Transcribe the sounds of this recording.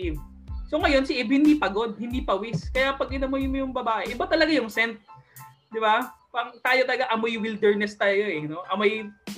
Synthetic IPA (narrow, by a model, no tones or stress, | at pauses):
ʔɪb̚ | soŋɐjo̞nsɪʔibhɪnd̪ipɐɡo̞d̪̚hɪnd̪ipɐwiskɐjapɐɡ̚ʔɪnɐmojɪnmojʊŋbɐbaːʔɛʔɪbat̪ɐlɐɡajʊŋsɛnt̪̚ | d̪ɪbapɐŋt̪aːjot̪ɐlɐɡaʔɐmojwild̪ɛɹnɛst̪aːjoɛno̞ʔɐmoj